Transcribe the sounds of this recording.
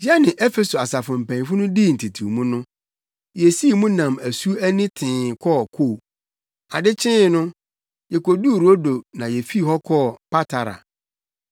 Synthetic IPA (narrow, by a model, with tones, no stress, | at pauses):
ja˦nɪ̃˨ʔɛ˦fe˨so˨a˨sa˨fʊ̃˨m̩˨pʰæ̃˨ɲ˦fʊ˦nʊ̃˦di˦˨n̩˨tʰi˨tʰu˨mũ˦nʊ̃˦ | jɛ˨si˦˨mũ˦nã˨mæ˨su˦æ˦nɪ̃˦tʰɪ̃ː˨kʰɔ˦˨kʰoː˦˨ | a˨dɪ˦t͡ɕʰɪ̃˦nʊ̃˦ | jɛ˨ko˨du˦˨ɾo˦do˨nã˨jɛ˨fi˦˨hɔ˦kʰɔː˦˨pa˦tʰa˨ɾa̰˨